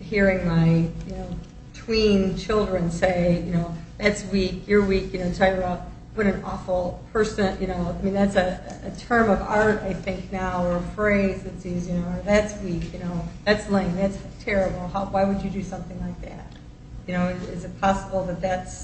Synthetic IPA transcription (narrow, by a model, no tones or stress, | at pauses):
hiɹɪ̃ŋmaɪjɨnoʊ | tʰw̥ĩnt͡ʃʰɪlˠdɹɨ̃nseɪjɨñoʊðætswikjə˞wikjɨñoʊtʰɛjə˞baʊt̚ | wʌɾɨ̃nɔ̰fl̩ˠpʰɜ˞sɨ̃njʔɨñoʊaɪmĩnðætsɨɨtʰɜ̃˞mʌvɑɹɾa̰ɪθɪ̃ŋknaʊə˞ʌfɹeɪzðɨtsizjɨnoʊə˞ðætswikjɨnoʊðætslɪ̃ŋðætstʰɛɹɨbl̩ˠhaʊwaɪwɨd͡ʒɨdɨsʌ̃mθɪ̃ŋlaɪk̚ðæ̰t̚ | jɨñoʊɨɪ̰zɨt̚pʰɑsəbl̩ˠðɨt̪̚ðæts